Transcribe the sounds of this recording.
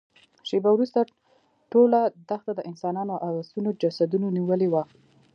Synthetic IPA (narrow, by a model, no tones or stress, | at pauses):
ʃebawɾust̪a | ʈolad̪axt̪ad̪əʔɪnsɑnɑnoʔazɑsunod͡ʒasad̪unoniwəlewa